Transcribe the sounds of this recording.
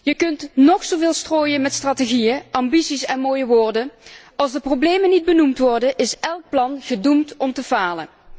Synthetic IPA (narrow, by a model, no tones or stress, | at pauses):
jəkɵntnɔxsovɪːlˠstroːjənmɛtstrateɣijəʔɑmbisisɛnmoːjəʋoːɹdə | ɑlˠzdəprowbleːmənid̚bənumtʋɔrdənʔɪsɛlˠk̚plɑnɣədumtɔmtəvaːlə̰n